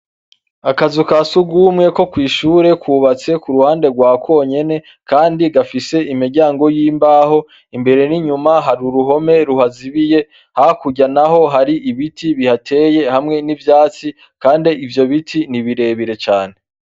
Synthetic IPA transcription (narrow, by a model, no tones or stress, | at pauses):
akazukasuɡumŋe̞ko̞kwiːʃuːɾe̞kwuːβat͡se̞kuɾuhaːnde̞ɡwaːkwo̞ːɲe̞ne̞ | kaːndiɡafise̞imiɾɟaːŋɡo̞jiːmbaːho̞ | imbe̞ɾe̞niɲumaɦaɾuɾuɦo̞me̞ɾuhaziβije̞ | hakuɟanaɦo̞ɦaɾiʔiβitiβihatʰe̞ːje̞hamŋe̞nivjaːt͡si | kaːndiivjo̞βitʰiniβiɾe̞βiɾe̞t͡ʃaːne̞